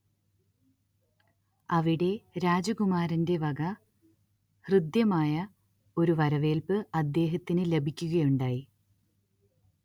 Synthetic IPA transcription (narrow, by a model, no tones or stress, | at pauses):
ɐʋiɽe̞ɾaːd͡ʑɐɡumaːɾɐnde̞ʋɐɡɐ | hrɨd̪jɐmaːjɐ | o̞ɾuʋɐɾɐʋe̞ːlpɨɐd̪ːe̞ːɦɐt̪ːinɨle̞bʱikʲːuɣɐjuɳɖaːji